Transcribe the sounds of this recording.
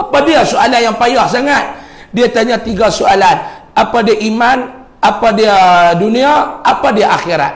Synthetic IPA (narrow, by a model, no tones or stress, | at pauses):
apadiasoalanjaŋpajaʔsaŋat̪̚ | diat̪aɲat̪iɡasoalan | apadiaʔiman | apadiaduniaapadiaʔaxiɾa̰t̪̚